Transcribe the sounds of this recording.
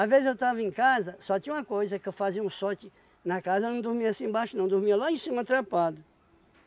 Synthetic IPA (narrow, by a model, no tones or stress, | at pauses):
avezɪzewt̪avɐẽkazɐsɔt̪ĩɲũm̃ɐkojzɐkɪewfaziɐũsɔt͡ʃɪ | nɐkazɐnɐ̃w̃d̪ʊɾmiɐasĩbaʃʊnɐ̃w̃d̪ʊɾmiɐlaẽsĩmɐt̪ɾapad̪ʊ